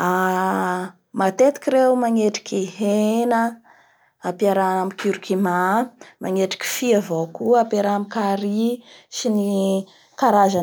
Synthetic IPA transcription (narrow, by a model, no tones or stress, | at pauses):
a | mat̪et̪i̥kʲiɾewmaŋeʈ͡ʂi̥kʲiɦenə | apiaɾaamikiɾikimama̰ŋeʈ͡ʂi̥kʲi̥fiavokuapjaɾaamikaɾisini | kaɾazan